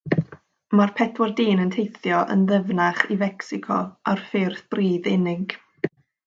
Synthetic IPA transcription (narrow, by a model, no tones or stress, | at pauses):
marpʰɛdwɔrdiːnəntʰejθjɔʔə̰nðəvnaχivɛksɪkʰɔ̰arfɪrθb̥riːðɪnɪɡ̥